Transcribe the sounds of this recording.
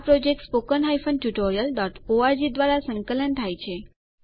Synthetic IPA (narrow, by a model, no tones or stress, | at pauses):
pɾod͡ʒek̚ʈspokənɦajfənɖʈuʈoɾijəlɖɔʈoaɾd͡ʒid̪ʋaɾasə̃ŋkələnt̪ʰajt͡ʃʰe